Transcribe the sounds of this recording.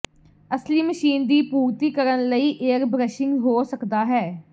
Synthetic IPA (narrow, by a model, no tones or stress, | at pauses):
əsliːməʃiːnd̪iːpuːɾt̪iːkəɾənləiːʔeəɾbɾəʃɪ̃ŋɡɦoːsəkd̪aːɦɛː